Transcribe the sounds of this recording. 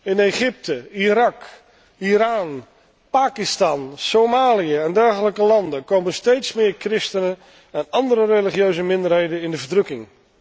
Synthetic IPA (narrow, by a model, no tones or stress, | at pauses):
ɪneχɪp̚təiɾɑk | iɾaːn | paːkɪstɑnsomaːlijəɛndɛɹχələkəlɑndəkowməstejtsmɪːɹkrɪstənə | ɛnɑndəɾəreliχjøɥzəmɪndərɦejdənɪndəvəɹdrɵkɪŋ